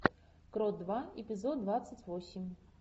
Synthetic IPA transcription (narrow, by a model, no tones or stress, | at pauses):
kɾɔd̪̚d̪vaɛpʲɪzɔd̪̚d̪vat̪sətʲvɔsʲimʲ